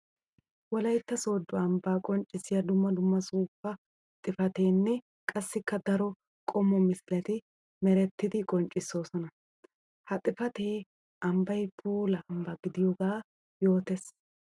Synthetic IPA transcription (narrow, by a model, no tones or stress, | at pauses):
wɔlɐjt̪ːɐso̞ːd̪ːʊɐmbaːkʼɔnt͡ʃʼːɪsːɪjɐd̪ʊmːɐd̪ʊmːɐsuːfːɐ | t̪ʼɪfɐt̪e̞ːnːɛ | kʼɐsːɪkːɐd̪ɐɾɔ | kʼɔmːɔmɪsɪlɐt̪ɪ | mɛɾɛt̪ːɪd̪ɪkʼɔnt͡ʃʼːɪsːo̞ːsɔnɐ | hɐt̪ʼɪfɐt̪eː | ʔɐmbɐjpʰuːlɐːmbɐɡɪd̪ɪjɔɡaː | jo̞ːt̪es